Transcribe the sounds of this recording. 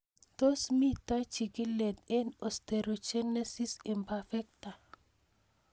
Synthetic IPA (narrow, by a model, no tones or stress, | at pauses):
t̪osmit̪at͡ʃikilet̪̚enost̪eɾot͡ʃenesisimpafɛk̚t̪a